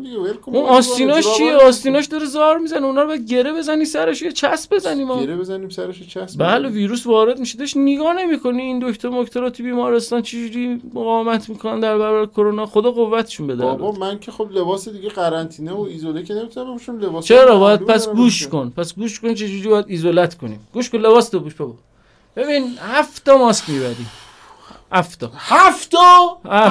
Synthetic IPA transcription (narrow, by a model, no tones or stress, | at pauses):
d̪ieb̪kounɒst̪inɒːʃt͡ʃʰijeɒːst̪iːnɒːʃd̪ɒɾezɒɾmiːzæneunhɒɾobjæd̪̚ɟe̞ɾebe̞zænisæɾeʃojet͡ʃʰæsbe̞zæniːmɒeɾebezæniːmsæɾeʃet͡ʃʰæsbæleviːɾuːsvɒːɾe̞d̪miʃed̪eeʃniɡɒːne̞miːkʰo̞niːnd̪okt̪ʰoɾmokʰt̪ʰoɾɒːt̪ʰubiːmɒːɾe̞st̪ɒːnt͡ʃʰed͡ʒuɾiːmoɣɒːemæt̪ʰmiːkʰonænd̪æɾbæɾɔbæɾekʰoɾonɒːxod̪ɒːɣovːæt̪ʰe̥ʃunbed̪æɾ̰bmænkʰexoblebɒːsed̪iɡeɣæɾænt̪ʰiːneoizolekenemit̪ʰunæmbeboʃimlebɒːst͡ʃʰeɾɒːbɒːjæd̪pʰæsɡuːʃkonpʰæsɡuːʃkont͡ʃʰe̞d͡ʒuːɾiːbɒːjæd̪izolæt̪ʰkʰo̞nḭmɡuːʃkonle̞bɒːst̪ʰoɡuːʃbeɡo | b̥e̞biːnhæft̪ɒmɒːskʲmiːbæɾḭ | hæft̪ʰɒːhæft̪ʰɒhæ